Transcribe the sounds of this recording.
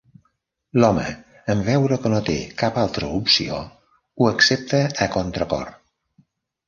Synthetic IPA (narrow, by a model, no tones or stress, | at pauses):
lɔmə̰ | əmvɛwɾəkənot̪ekapalˠt̪ɾəupsio̰ | uəksep̚t̪əːkont̪ɾəkɔ̰r